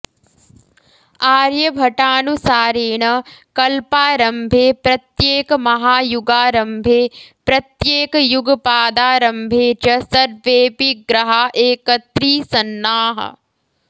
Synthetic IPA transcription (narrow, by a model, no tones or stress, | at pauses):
aːɾjɐbʱɐʈaːnusaːɾeːɳɐkɐlpaːɾɐmbʱeːpɾɐt̪jeːkɐmɐɦaːjuɡaːɾɐmbʱeːpɾɐt̪jeːkɐjuɡɐpaːd̪aːɾɐmbʱeːt͡ʃɐsɐɾʋeːpiɡɾɐɦaʔeːkɐt̪ɾiːsɐnːaːɦɐ̰